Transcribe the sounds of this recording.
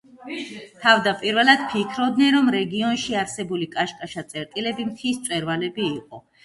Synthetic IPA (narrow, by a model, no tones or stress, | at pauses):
t̪ʰavd̪apʼiɾvɛlˠad̪̥pʰikʰɾɔbd̪nɛnɾɔmɾɛɡiɔnʃiaɾsɛbulikʼaʃkʼaʃat̪sʼɛɾt̪ʼilɛbimt̪ʰist̪sʼwɛɾvalɛbiːqʼɔ̰